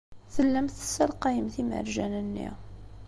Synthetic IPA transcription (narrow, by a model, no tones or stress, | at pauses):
θəlːəmθə̥səlqɑjəmθimə̰ɾʒænənːḭ